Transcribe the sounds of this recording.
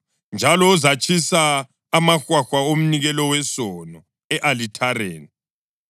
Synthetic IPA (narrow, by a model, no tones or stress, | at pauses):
nd͡ʒʱalɔuzat͡ʃʰʼisaː | maxwaxwaom̩niɣɛlɔwɛsɔnɔ | ɛʔalitʰaɾeːni